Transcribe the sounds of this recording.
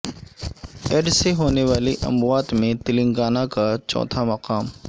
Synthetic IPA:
eɖseɦoːneʋaːliʔɐ̰mʊaːt̪mẽt̪ɪlɪ̃ŋɡaːnakat͡ʃɔ̰ːt̪ʰamɐqaːm

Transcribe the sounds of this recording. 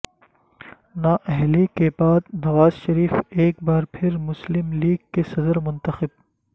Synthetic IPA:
naːʔɛɦlikebaːd̪nɐʋaːzʃɐɾiːfeːk̚baːɾpʰɪɾmʊslɪmliːɡ̚kesɐd̪əɾmʊ̃nt̪ɐxɪb̚

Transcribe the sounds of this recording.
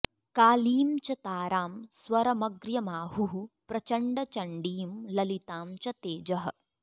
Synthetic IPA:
kaːliːmt͡ʃɐt̪aːɾaːmswɐɾɐmɐɡɾjɐmaːɦuɦupɾɐt͡ʃɐɳɖɐt͡ʃɐɳɖiːmlɐlit̪aːmt͡ʃɐt̪eːd͡ʒɐɦɐ̆

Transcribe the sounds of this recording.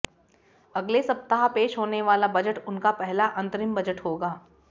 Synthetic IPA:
ɐɡlesɐp̚t̪əɦapeːʃɦoːneʋaːlabɐd͡ʒəʈʊnkapɛɦlaʔɐ̃nt̪ɾɪmbɐd͡ʒəʈɦoːɡaː

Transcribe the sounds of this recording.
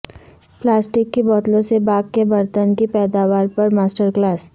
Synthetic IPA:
plaːsʈɪkːibɔːt̪lõsebaːɡkebɐɾt̪ənkipɛːd̪aːʋaːɾpɐɾmaːsʈəɾklaːs

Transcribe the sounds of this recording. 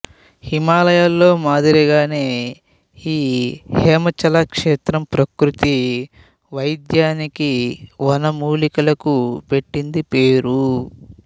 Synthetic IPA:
himaːlɐjalːo̞ːmaːd̪iɾiɡaːne̞ː | iːhɛːmɐt͡ʃɐlakʂeːt̪ɾɐmpɾɐkɾut̪i | ʋɐjd̪jaːnikiʋɐnɐmuːlikɐlɐkupe̞ʈːind̪ipeːɾu

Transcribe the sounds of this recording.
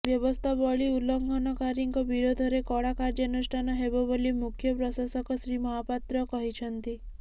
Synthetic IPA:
ʋjəʋɔst̪ʰabɔɭiulɔŋɡʱɔnɔkaɾiŋkɔbiɾod̪ʱɔɾekɔɽakaɾd͡ʒənuʂʈʰanaɦebɔbɔlimukʰjɔpɾɔsasɔkɔsɾimɔɦapat̪ɾɔkɔɦit͡ʃʰənt̪i

